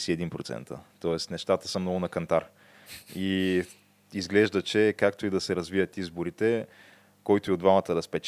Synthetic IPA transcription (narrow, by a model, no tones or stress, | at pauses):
siɛd̪inpɾot̪sɛ̰nt̪ə̰t̪ɔɛst̪nɛʃt̪at̪ə̥səmnɔɡʊnɐkɐnt̪aɾ | i | izɡlɛʒd̪ət͡ʃɛkakt̪oid̪ɐsɛɾɐzvivət̪izboɾit̪ɛ | kɔjt̪ʊiod̪vamət̪əd̪ɐspɛt͡ʃ